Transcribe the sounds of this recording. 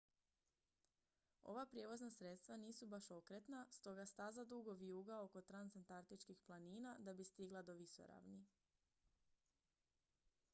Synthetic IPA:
o̞̰ʋapɾje̞ːʋo̞znasɾe̞t̪st̪ʋaniːsubaʃo̞kɾet̪nast̪o̞ɡast̪azad̪uɡo̞ʋijuːɡao̞ko̞t̪ɾansant̪aɾt̪it͡ʃkixplˠaniːnad̪abist̪iɡlˠad̪o̞ʋiso̰ɾa̰ʋni

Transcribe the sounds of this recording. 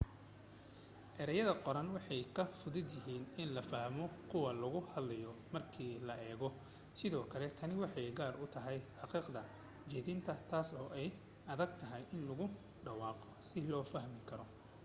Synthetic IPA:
ʔɛɾɐjɐðɐqɔɾɐnwɑħɑjkʰɐfʊðɪd̪jɪɦiːnɪnlɐfɐhmɔkʰʊwɐlʊɣʊhɐd̪lɐjɔmɐrkʰiːlɐʔɛːɣɔ | sɪðɔːkʰɐlɛt̪ʰɐnɪwɑħɑjɡaːrʔʊt̪ʰɐɦɛjħɑqiːqd̪ɐ | t͡ʃɛðɪnt̪ʰɐt̪ʰaːsɔːʔɛj | ʔɐðɐɡ̚t̪ʰɐɦɛjʔɪnlʊɣʊ | ɖɑwɑːqɔsɪlɔːfɐɦmɪkʰɐɾɔ

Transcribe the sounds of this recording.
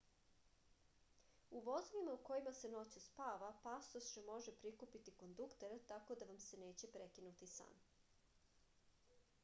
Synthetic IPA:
uʋo̞zoʋimauko̞jimase̞no̞t͡ɕuspaːʋapast̪osʒemo̞ʒepɾikupit̪iko̞nd̪ukt̪eɾt̪ako̞d̪aʋamse̞ne̞ːt͡ɕe̞pɾe̞kinut̪isa̰ːm

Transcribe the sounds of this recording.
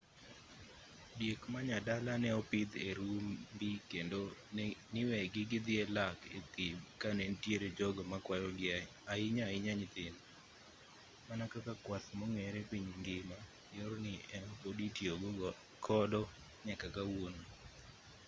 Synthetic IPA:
djekmaɲadalanɛɔpɪd̪eɾumbikendonɪwɛɡɪɡɪd̪ɪɛlakḛt̪ɪmkanɛntjeɾed͡ʒɔɡɔmakwajɔɡɪa | aɪɲaɪɲaɲɪt̪ɪn | manakakakwat̪mɔŋɛɾepiɲŋɡɪma | jɔɾnɪʔɛnɔpoditjoɡ | kʰɔdɔ | ɲɛkakawon

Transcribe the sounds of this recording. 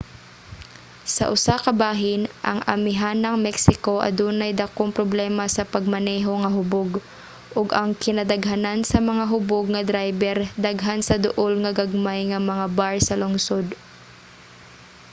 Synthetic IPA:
sɐ̰ʔʊsakɐbaːɦɪnʔɐ̰ŋʔɐ̰mɪɦanːɐŋmɛksɪkoʔɐ̰d̪uːnajd̪akoŋpɾoblɛːmasɐpɐɡ̚mɐnɛːɦoŋɐɦʊboɡ | ʔʊɡɐŋkɪnad̪ɐɡɦanansɐmɐŋaɦʊboɡ̚ŋɐd̪ɾajbɛɾd̪aɡɦansɐd̪ʊʔolŋɐɡaɡ̚majŋɐmɐŋabaɹsɐlʊŋsod̪

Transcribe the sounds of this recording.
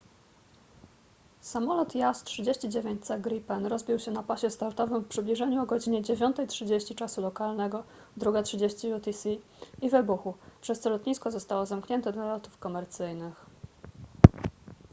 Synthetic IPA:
samɔlɔt̪jastʂɘd͡ʑeɕt͡ɕid͡ʑevʲjeɲt͡ɕt̪sɛɡɾipɛnɾɔzbʲiwɕɛnapaɕɛst̪aɾt̪ɔvɘmfpʂɘblʲiʐɛɲuɔɡɔd͡ʑiɲɛd͡ʑevʲjɔnt̪ɛjtʂɘd͡ʑeɕt͡ɕit͡ʂasulɔkalnɛɡɔ | d̪ɾuɡatʂɘd͡ʑeɕt͡ɕijut̪isi | ivɘbuxupʂɛst̪sɔlɔt̪ɲiskɔzɔst̪awɔzamkɲɛnt̪ɛd̪lalɔt̪ufkɔmɛɾt̪sɘjnɘx

